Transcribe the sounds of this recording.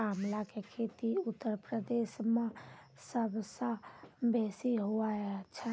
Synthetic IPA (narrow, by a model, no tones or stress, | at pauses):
amlakekʰet̪iʊt̪ːəɾpɾəd̪eːʃmẽ | səbsə̃besiɦoat͡ʃʰə